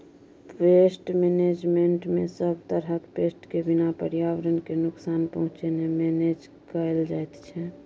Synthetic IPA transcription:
pesʈmened͡ʒmeɳʈmesəbʱt̪əɾɦəkpesʈkebinapəɾijaʋɾənkenʊksaːnpəɦʊ̃t͡ʃenemened͡ʒ | kəld͡ʒajt̪t͡ʃʰɛ

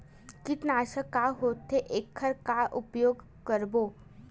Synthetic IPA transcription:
kɪt̪naːʃəkaːɦoːt̪ːeʔeːkʰːəɾkaʔʊpjoːɡ | kəɾboː

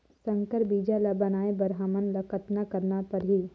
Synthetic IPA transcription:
sə̃ŋkəɾbiːd͡ʒalabɐnaːebɐɾɦaːmənlɐkət̪nakɐɾnapɐɾɦiː

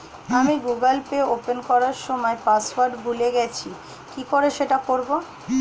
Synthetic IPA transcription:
amiɡuɡəlpeopenkɔɾaɾʃɔmɔepaswaɾɖbʱuleɡɛt͡ɕʰi | kikoɾeʃeʈakoɾbo

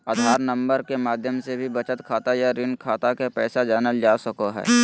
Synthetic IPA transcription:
ad̪ʱaːɾnə̃mbəɾkemaːd̪ʱjəmsebʱibɐt͡ʃət̪kʰaːt̪ajaɾɪnkʰaːt̪akepɛːsad͡ʒaːnəld͡ʒaːsəkoɦɛ̰ː

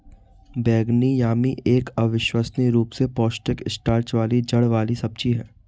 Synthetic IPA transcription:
bɛːɡnijaːmiʔeːkɐʋɪʃwaːsniɾuːpsepɔːsʈɪkɪsʈaːɾt͡ʃʋaːlid͡ʒɐɽʋaːlisɐb̚t͡ʃiɦɛː

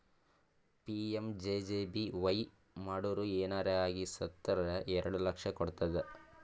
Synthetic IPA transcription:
piemd͡ʒeːd͡ʒebiʋɐj | maːɽuːɾueːnaːɾeaːɡisɐt̪ːɐɾɐɾɐʔɛɾɐɽulɐkʂɐkɔɽt̪ɐd̪e

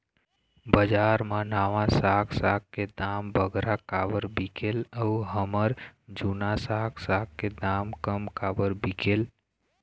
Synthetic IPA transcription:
bəd͡ʒaɾmanaʋãsaksakked̪ambʱəɡɾakabəɾbikeləuɦəməɾd͡ʒunasaksakkːed̪amkəmkabəɾbikel

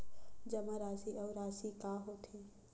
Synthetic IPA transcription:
d͡ʒɐmaɾaːsiʔɔːɾaːsikaːɦoːt̪ʰiː

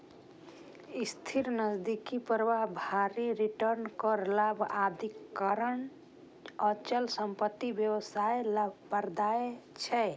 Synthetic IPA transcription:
ist̪ʰiɾnəd͡ʒd̪ikipəɾʋaɦbʱaɾiɾiʈəɾnkəɾlabʱad̪ʱikːəɾən | ət͡ʃəlsəmpət̪ːibjewəsaelabpəɾd̪aet͡ʃʰɛ

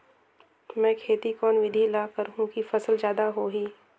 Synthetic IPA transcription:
mɛ̃ːkʰeːt̪ikɔːnʋɪd̪ʱilaːkəɾɦũkifɐsəlzjaːd̪aɦoːɦiː

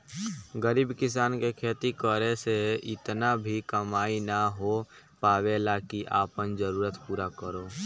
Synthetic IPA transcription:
ɡəɾiːbkɪsaːnkekʰeːt̪ikəɾeseɪt̪nabʱikəmaːinaɦo | paːwelaːkiʔaːpənd͡ʒəɾuːɾət̪puːɾakəɾoː

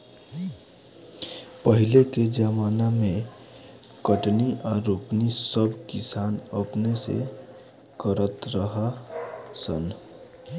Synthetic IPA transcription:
pəɦɪleked͡ʒəmaːnamẽ | kəʈniʔaɾoːknisəbʱkɪsaːnəpnesḛ | kəɾət̪ɾəɦa | sə̰n

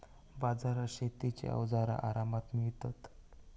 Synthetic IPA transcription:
bad͡zaɾaɕet̪it͡ɕḛə̰ʋd͡zaɾa̰ʔaɾamat̪miɭt̪at̪

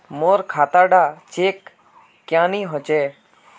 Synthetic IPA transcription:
moːɾkʰaːt̪aːɖaːt͡ʃeːkː | jãːniːɦot͡ʃeː

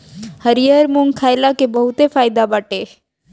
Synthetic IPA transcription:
həɾijəɾmʊŋɡkʰajlakebəɦut̪efaːjd̪abaʈe

